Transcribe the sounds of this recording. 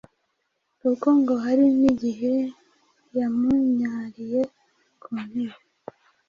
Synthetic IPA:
ukoŋɡoɦaɾiniɟiɦe | jamuɲaːɾije | kʰunheɾe

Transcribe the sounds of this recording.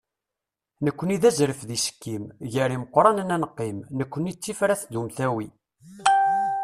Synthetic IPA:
nəkʷːəniðæzɾəfðisə̥kːimʝəɾiməqːɾˤɑnənænəqːimnəkʷːənit͡sːifɾæθd̪umθæwi

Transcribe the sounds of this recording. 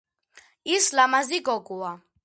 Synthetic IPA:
islamaziɡɔkʼua

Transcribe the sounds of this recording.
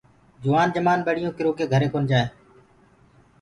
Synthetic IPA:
d͡ʒʊʋaːnd͡ʒəmaːnɓeːɽɪjõːkɪɾoːkeːɡʱəɾeːkoːnd͡ʒaːeː

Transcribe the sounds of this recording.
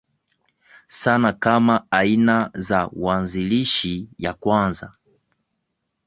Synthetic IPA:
sanakamaainazawanziliʃija̰kwanza

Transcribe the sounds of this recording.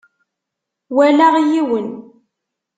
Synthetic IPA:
wælaʁjiwən

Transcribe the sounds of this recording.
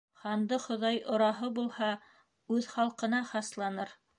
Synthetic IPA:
χɑnd̪ɤχŏðɑjʔŏɾɑɦɤbulˠhɑ | ʉðχɑlˠqɤ̆nɑχɑslˠɑnɤɾ

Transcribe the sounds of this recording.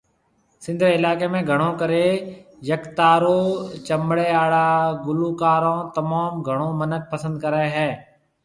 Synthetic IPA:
sɪ̃nd̪ʱɾɪlaːkeːmẽːɡʱəɽ̃õːkəɾeː | jəkt̪aːɾoːt͡ʃəmɽeːaːɽaːɡʊluːkaːɾõːt̪əmaːmɡʱəɽ̃õːmənək̚pəsə̃nd̪̚kəɾəeɦɛː

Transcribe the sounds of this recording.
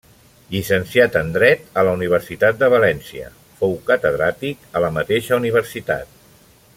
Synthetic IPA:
ʎisənsiat̪ənd̪ɾɛt̪ələuniβ̞əɾsit̪at̪̚d̪əβəlɛnsiə̰ | fowkət̪əðɾat̪ikələmət̪eʃəuniβ̞əɾsit̪a̰t̪̚

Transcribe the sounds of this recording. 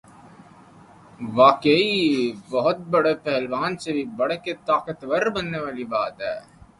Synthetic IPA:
ʋaːkeibɐɦʊt̪̚bɐɽepɛɦɛlʋaːnsebʱibɐɽket̪aːkɐt̪ʋɐɾbɐnːeʋaːlibaːd̪ɛ̰

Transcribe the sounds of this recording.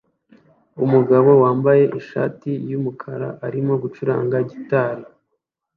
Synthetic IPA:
umuɡaβo̞waːmbaje̞ʔiʃa̰ːtijumukʰaɾa̰ʔaɾimo̞ɡut͡ʃuɾa̰ːŋɡaɟitaːɾi

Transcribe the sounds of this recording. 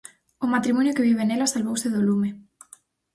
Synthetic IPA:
ʊmat̪ɾimɔnjʊkeβiβ̞enelasalβowseðolume

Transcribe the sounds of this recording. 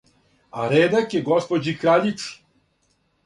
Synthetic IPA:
aɾeːd̪akjeɡospod͡ʑikɾaʎit̪s

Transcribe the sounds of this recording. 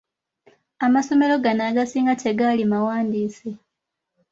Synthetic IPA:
amaso̞me̞lo̞ɡanaɡasiːŋɡate̞ɡalimawaːndiːsi

